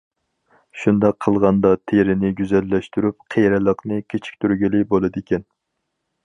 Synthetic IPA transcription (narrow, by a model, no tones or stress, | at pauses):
ʃund̪ɑqʰːəlˠʁɑnd̪ɑt̪ʰeɾɪnɪɡʲyzɛlːɛʃt̪yɾyp̚qʰejɾɪlˠəqnɨkʲʰet͡ʃʰi̥k̚ʲt̪ʰyɾɡʲilɪbolˠɨd̪ekʲɛn